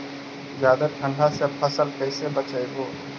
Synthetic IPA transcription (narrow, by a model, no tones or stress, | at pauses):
zjaːd̪əʈʰə̃ɳɖʱasepʰəsəlkɛːsebət͡ʃəeɦoː